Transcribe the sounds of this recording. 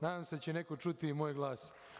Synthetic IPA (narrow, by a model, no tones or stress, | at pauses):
naːd̪aːmsed̪at͡ɕene̞kot͡ʃut̪imojɡlˠaːs